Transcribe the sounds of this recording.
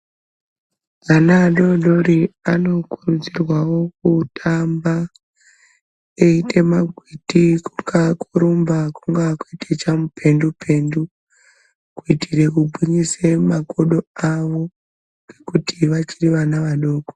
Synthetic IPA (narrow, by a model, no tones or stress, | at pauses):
ʋanaːɗo̞ɗoɾiano̞kurud͡zirwawo̞k̚utʰamba | eitʰe̞maɡʱwitikukakʰoɾombakuŋɡakuitʰet͡ʃamupʰe̞ndupʰe̞ndu | kuitire̞kubʱiɲisemakoɗo̞aʋo̞ | ɡ̥e̞kutiʋat͡ʃiriʋanaʋaɗo̞ːko̥